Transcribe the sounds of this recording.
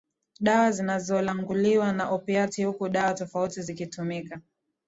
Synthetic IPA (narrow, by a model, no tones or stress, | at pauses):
ɗawazinazɔlaŋɡuliwanaʔɔpiatihukuɗawatɔfautizikitumika